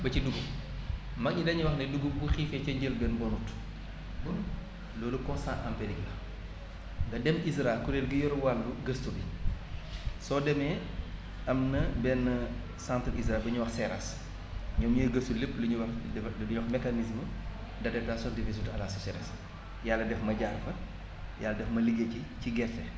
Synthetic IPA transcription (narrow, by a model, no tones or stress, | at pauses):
bɐciduɡum | mɐk̚ɲidɐɲuwɐxnɛduɡumbuxiːfɛcɐɲɟəlbɛnbɔnut | bun | lɔːlukɔ̃nsãʔampeɾiklɐ | dɐdɛmis̬ɾakuɾelɡijɔɾuwalːuɡəstubi | sɔdɛmɛ | ɐmnɐbɛn | sãntɾisɾɛlbɐɲuwɐxsɛɾas | ɲɔmɲiɡəstuləpluɲuwɐxɲɔxmɛkanis̬mə | dɐdɛtasjɔ̃ndivis̬utɐlasusɛɾa̰s | jalːɐdɛfmɐɟaːrfɐ | jalɐdɛfmɐliɡeciciɡɛtːɛ